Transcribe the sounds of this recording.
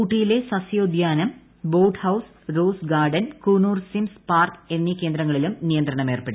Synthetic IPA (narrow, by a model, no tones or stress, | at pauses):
kuːʈːijile̞sɐsjoːd̪ʱjaːnɐm | boːʈhɐws | ɾoːsɡaːrɖɐnkuːnuːrsimspaːrke̞nːikʲːe̞ːnd̪ɾɐŋːɐɭilumnijɐnd̪ɾɐɳɐme̞ːrpeɽu